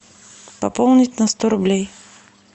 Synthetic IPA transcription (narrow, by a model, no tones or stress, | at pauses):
papɔlˠnit̪nɐst̪ɔɾʊblʲɛj